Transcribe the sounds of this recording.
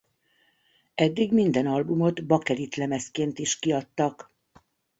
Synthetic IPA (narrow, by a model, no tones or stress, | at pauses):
ɛd̪ːiɡmind̪ɛnɒlbumo̞d̪bɒkɛɾit̪lɛmɛskeːnt̪iʃkiɒt̪ːɒk